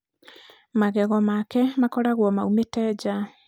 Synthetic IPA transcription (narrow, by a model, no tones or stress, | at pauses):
maɣɛɣɔmakɛmakɔɾaɣwɔmaumetɛd͡ʑa